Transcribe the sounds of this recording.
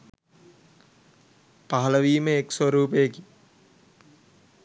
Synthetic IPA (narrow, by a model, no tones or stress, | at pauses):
paɦɐləʋiːməeksoɾuːpejəki